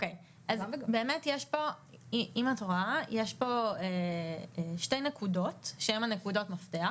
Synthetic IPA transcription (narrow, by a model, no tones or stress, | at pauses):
okej | ʔazbeːme̞tjeʃpo̞ | iimatʁoajeʃpo̞e | ʃte̞jnekudo̞tʃeemanekudo̞tmaftea